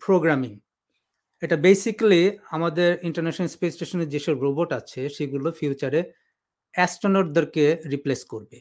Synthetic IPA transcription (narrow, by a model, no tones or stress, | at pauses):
pɾoɡɾamiŋ | eʈabejsikliamad̪eɾiɳʈaɾnɛʃonelspessʈeʃoneɾd͡ʑeʃoɾɾoboʈat͡ɕʰeʃeɡulofiut͡ɕaɾe | ɛsʈonoɾd̪oɾkeɾipleskoɾbe